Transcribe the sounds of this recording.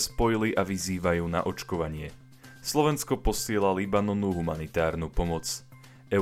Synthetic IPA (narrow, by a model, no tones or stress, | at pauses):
spɔjiliʔaʋiziːʋajuːna̰ʔɔt͡ʃkɔʋaɲɪɛ | slɔʋɛnskɔpɔsɪɛlalibanɔnuːɦumanit̪aːɾnuːpɔmɔt͡s | ʔɛ